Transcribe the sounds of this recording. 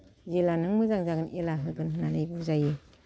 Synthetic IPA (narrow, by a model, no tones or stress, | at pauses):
zilanɯŋmɯzaŋzaɡɯnʔelaɦɯɡɯnɦɯnanajbuzajɯ